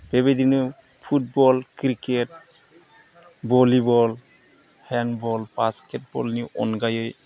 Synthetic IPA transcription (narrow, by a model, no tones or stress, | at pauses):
b̥ebedini | pʰut̚bɔlkɾiket̚ | bɔlibɔl | hɛnbɔlbasket̚bɔ̰lniʔɔ̰nɡajɔj